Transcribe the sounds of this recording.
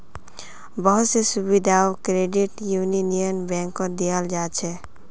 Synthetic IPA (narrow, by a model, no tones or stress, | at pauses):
bəɦʊt̪sesʊbid̪ʱaːokɾeːɖɪʈjuːninijənbɛ̃ːŋkːod̪ijəld͡ʒaːt͡ʃʰɛ